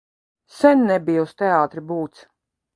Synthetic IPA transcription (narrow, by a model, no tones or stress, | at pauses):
sɛnʲːɛbijust̪ɛaːt̪ɾibuːt̪s